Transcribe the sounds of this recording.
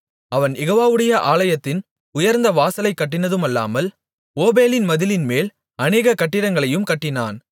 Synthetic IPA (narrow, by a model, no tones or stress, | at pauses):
ɐʋɐnjɛɣoːʋaːʋɯɽɐjɐʔaːlɐjɐt̪ːɪn | ʊjɐɾnd̪ɐʋaːsɐlɐɪkːɐʈ̬ːɪnɐðɯmɐlːa̰ːmɐl | oːbeːlɪnmɐðɪlɪnmeːl | ɐneːɣɐkɐʈːɪɽɐŋɡɐɭɐjɯmkɐʈːɪnaːn